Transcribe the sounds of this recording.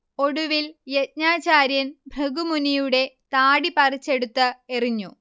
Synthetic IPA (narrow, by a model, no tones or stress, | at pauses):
o̞ɽuʋiljet̚ɲaːt͡ɕaːɾjɐnbʱeɡumunijuɽe̞t̪aːɽipɐrit͡ɕːe̞ɽut̪ːɨeriɲːu